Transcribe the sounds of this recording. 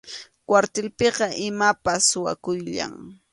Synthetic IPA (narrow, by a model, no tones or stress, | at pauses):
kwaɾt̪elpeqɑʔɪmapasʊwa̰kʊjʎa̰ŋ